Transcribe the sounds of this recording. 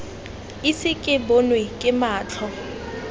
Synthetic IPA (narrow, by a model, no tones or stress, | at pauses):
isɪkʼɪbonwekʼɪmaːt͡ɬʰɔ